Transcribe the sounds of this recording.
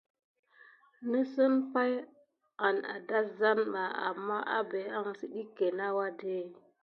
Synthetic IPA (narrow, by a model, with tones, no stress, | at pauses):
nə˦sə˦npa˦j | a˨na̰˨da˦za˦nɓa˨a̰˨mːa˦ʔa̰˦be˨a˦ŋsi˦ɗi˦kːe˨na˦wa˦de˦˨